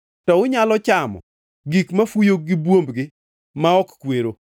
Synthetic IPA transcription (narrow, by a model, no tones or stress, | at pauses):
tɔʊɲalɔt͡ʃamɔ̰ | ɡikmafujoɡɪbwombɡɪ | maɔkkweɾo